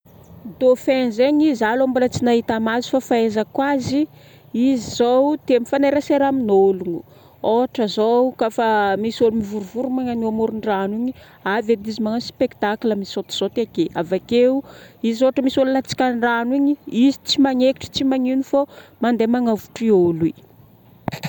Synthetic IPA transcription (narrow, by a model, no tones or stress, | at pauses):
d̪ofenzeɲizalambolət͡sinaɦit̪amazu̥fafaezakwazi | iziz̥owt̪emifanaɾaseɾaminolunu | oaʈ͡ʂəzokafamisolumivuɾuvuɾumaŋanuamoɾuɳɖ͡ʐaniɲi | aved̪izimaŋaspekt̪aklamisot̪i̥z̥ot̪eaɡeavakeuizoaʈ͡ʂəmisolulat͡si̥kʲanraniɲiizit͡simaŋeki̥ʈ͡ʂə̥t͡simaŋinifomand̪emaŋavu̥ʈ͡ʂioli